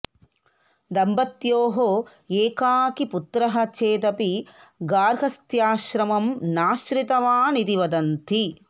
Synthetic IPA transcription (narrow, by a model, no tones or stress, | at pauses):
d̪ɐmbɐt̪joːɦo | eːkaːkiput̪ɾɐɦɐt͡ʃeːt̪ɐpiɡaːɾɡʱɐst̪jaːʃɾɐmɐmnaːʃɾit̪ɐʋaːnid̪iʋɐd̪ɐnt̪ʰi